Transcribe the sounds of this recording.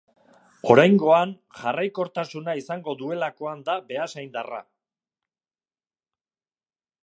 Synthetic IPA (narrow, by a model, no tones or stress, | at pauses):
o̞̰ɾajŋɡo̞an | ʝarajko̞ɾt̪asunaisaŋɡo̞ðue̞lako̞and̪abe̞asajnd̪ara̰